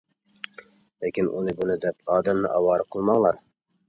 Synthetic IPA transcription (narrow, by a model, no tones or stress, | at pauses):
lɪkʲinʔṵnɪbunɪd̪ɛpɑːd̪ɛmnɪʔɑwɑːɾɨqʰəlˠmɑŋlˠɑɾ